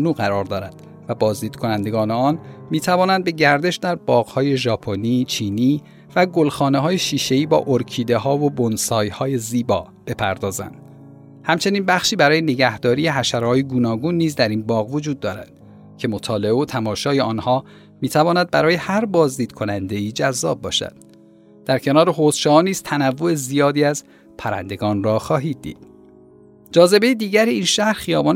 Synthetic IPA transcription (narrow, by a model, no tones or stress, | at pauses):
nuːɣæɾɒːɾd̪ɒːɾæd̪̥ | væbɒːzd̪iːd̪̥kʰo̞nænd̪e̞ɡɒːneɒːnmiːt̪ʰævɒːnænd̪̚be̞ɟæɾd̪e̞ʃd̪æɾbɒːɣhɒːje̞ʒɒːpʰoniːt͡ʃʰiːniː | væɡo̞lxɒːneɦɒːjeʃiːʃe̞iːbɒ̰ːʔoɾcʰiːd̪e̞ɦɒːvobonsɒːjhɒːje̞ziːbɒː | b̥e̞pʰæɾd̪ɒːzæ̰nd̪̥ | hæmt͡ʃʰe̞niːnbæxʃiːbæɾɒːje̞ne̞ɟæhd̪ɒːɾiːje̞ɦæʃæɾhɒːjeɡuːnɒːɡuːnːiːzd̪æɾiːnbɒːɣvo̞d͡ʒuːd̪ːɒːɾæ̰d̪̥ | cʰe̞mot̪ʰɒːle̞eot̪ʰæmɒːʃɒːjeɒːnhɒː | miːt̪ʰævɒːnæd̪̚bæɾɒːje̞hæɾbɒːzd̪iːd̪̥kʰo̞nænd̪e̞iːd͡ʒæzːɒːb̚ːɒːʃæ̰d̪̥ | d̪̥æɾcʰe̞nɒːɾe̞ɦoːsʃɒːniːz̥t̪ʰænævːo̞ezijɒːd̪iːæz | pʰæɾæ̰nd̪e̞ɡɒːnrɒːxɒːɦiːd̪̚ːḭːd̪̥ | d͡ʒɒːze̞be̞jed̪iːɟæɾiiːnʃæhɾxijɒːbɒn